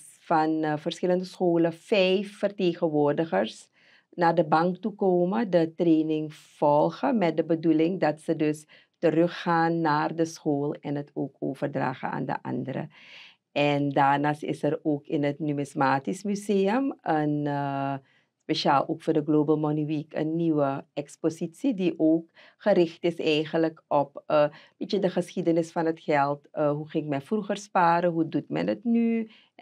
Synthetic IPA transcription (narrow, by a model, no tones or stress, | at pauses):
fɑnvərsxɪləndəsxoːləfɛjfːərteːxəʋoːrdəxərs | naːrdəbɑŋk̚tukoːmədətreːnɪŋfɔlˠxəmɛt̚dəbədulɪŋdɑtsədɵs | tərøxːaːnːaːrdəsxoːlˠɛnətʰoːko̰ːvərdra̰ːχə̰a̰ːndə̰ʔɑ̰ndəɾə̰ | ʔɛndaːrnaːstɪ̰səroːkɪnətnymɪsmaːtismyzeːəmən | speʃaːlˠʔoːkfʊːrdəɡloːbəlˠmoniʋikʰə̰nːiwəɛkspositsidiʔoːk | χəɾɪχtɪsɛjχənləkɔpəbitjədəχəsxidənɪsfɑnətxɛlˠtəɦuxɪɪkmɛjfruχərspaːɾəɦudutmɛ̰nətny